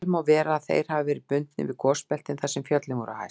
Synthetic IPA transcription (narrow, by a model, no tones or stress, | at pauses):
lmawvɛːɾaːðθḛjɾ̥havavɛːɾɪpʏnt̪nɪ̰vɪ̥kʰɔːspɛl̥t̪ɪnθasɛmfjœt̪lɪŋkʏɾa̰wha̰j